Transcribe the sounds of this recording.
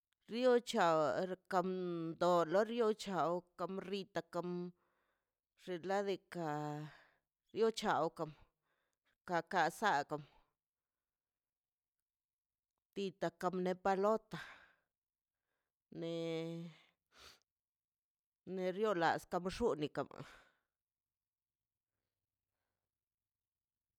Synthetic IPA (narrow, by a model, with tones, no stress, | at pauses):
ɾjo˦t͡ʃa˨wɾka˧mnd̪o˨lo˦ɾjo˦t͡ʃa˨wka˧mɾi˧t̪a˧ka˧m | ʐ̥e˧la˦d̪i˧ka˧˨ | ɾjo˦t͡ʃa˨wka˧m | ka˧˨ka˧sa˦˧ka˨m | t̪i˧t̪a˧ka˧mne˧pa˧lo˦t̪a˨ | ne˧ | ne˧ɾjo˦la̰˨ska˧mʂu˦ni˨˧ka̰˨ma̰˨